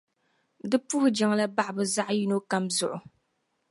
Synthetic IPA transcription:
dɨ˦pu˦hʊ˦d͡ʒa˦ŋ˦la˦ba˦ʔbɨ˨za˦ʔji˦no˦ka˦mzʊ˨ʔʊ˨

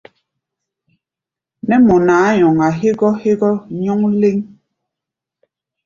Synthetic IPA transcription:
nɛ˦mɔ˨naː˨˦ɲɔ˨ŋa˨ɦe˦ɡɔ˦he˦ɡɔ˦ɲɔ˦ŋ˦le˦ŋ

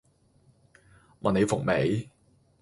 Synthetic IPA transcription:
mʔɐ̰˨ne˨˧jfʊ˨˩k̚me˨˥j

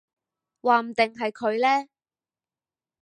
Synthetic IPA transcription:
waː˨m̩˨˩t̪ɪ˨ŋɦɐ˨jkʰɵ˨˧ɥlɛː˥

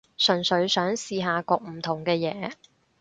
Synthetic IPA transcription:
sɵ˨˩nsɵ˨˥ɥsœː˨˥ŋsiː˨˧ɦaː˨˧kɔː˧k̚m̩˨˩t̪ʰʊ˨˩ŋkɛː˧jɛ̰ː˨˥

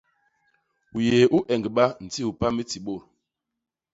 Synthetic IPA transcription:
u˨jeː˨ʔu˦ʔɛ˨ŋɡɓa˦n̩˨ti˦u˨pa˦mi˦ti˨ɓo˦˨ɾ

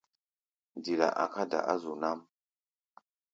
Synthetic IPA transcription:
di˨la̰˨ʔa̰˨ka˦da̰˨ʔa˦zu˨na˦m

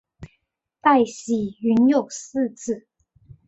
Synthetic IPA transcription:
t̪a˥˩ɪɕi˨˩y˧˥njo˨˩ʊsɹ̩˥˧t͡sɹ̩˥˩

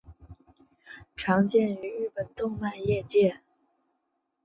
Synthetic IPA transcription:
ʈ͡ʂʰɑ˧˥ŋt͡ɕjɛ˥˩ny˧˥ɻy˥˩pə˨˩nt̪ʊ˥˧ŋma˥˧njɛ˥˧t͡ɕjɛ˥˩

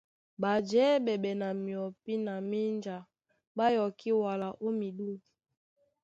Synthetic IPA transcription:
ba˨d͡ʒɛ˨˦bɛ˨ɓɛ˨na˨mi˨ɔ˨pi˦na˨mi˦nd͡ʒa˨ | ba˦jɔ˨ki˦wa˨la˨ʔo˦mi˨ɗu˦

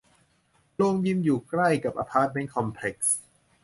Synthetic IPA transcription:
loː˧ŋji˧mjuː˨˩kɾa˥˩jka˨˩p̚ʔa̰ː˧pʰaː˦˥˩t̪̚me˦˥nkʰɔ˧mpʰle˨˩k̚s

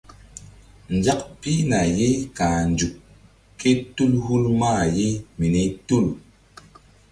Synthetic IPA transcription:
n˨d͡ʒa˦k̚pi˦na˨je˦kã˨nd͡ʒu˨k | kːe˦tu˦lhu˦lma˦˨je˦mi˨ne˦tu˦˨l

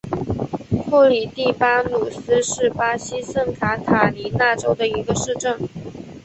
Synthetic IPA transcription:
kʰu˥˩li˨˩t̪i˥˩pa˥nu˨˩sɹ̩˥ʂɻ̩˥˩pa˥ɕi˥sə˥˩ŋkʰa˧˥t̪ʰa˨˩li˧˥na˥˩ʈ͡ʂo˥ʊd̪ə˨i˧˥ɡə˧ʂɻ̩˥˧ʈ͡ʂə˥˩ŋ

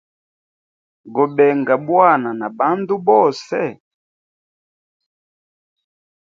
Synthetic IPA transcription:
ɡɔ˨bɛ˨ŋɡa˨bwa˦˨na˨na˨ba˦ndu˦bɔ˦˨sɛ˦

